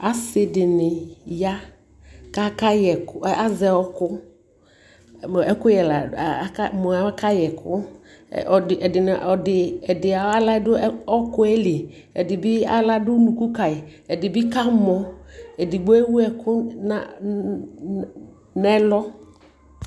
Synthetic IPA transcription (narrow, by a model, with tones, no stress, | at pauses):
a˨sɪ˨dɪ˨nɪ˨ja˦ | ka˦ka˦jɛ˨ka˦zɛ˨ɔ˦kʊ˦˨ | ɛ˦kʊ˦jɛ˨la̰˨˦ka˦mɔ˨a˨˦ka˦jɛ˨kʰʊ̰˦˨ | ɔ˨ɪ˨ɛ˨dɪ˨n˨ɔ˨dɪ˨ɛ˨dɪ˨a˨˦a˦la˦dʊ˦ɔ˦kʊ˦ɛ˦lɪ˨ | ɛ̰˨dɪ˨bɪ˦a̰˦la˦dʊ˦nũ˨ku˦ka˨ɪ˨ | ɛ˨dɪ˨bɪ˦ka˦mɔ˨ɛ˨dɪ˨ɡ͡bɔ˦ɛ˦wu˦ɛ˨kʊ˦na˦ | nɛ˦lɔ˦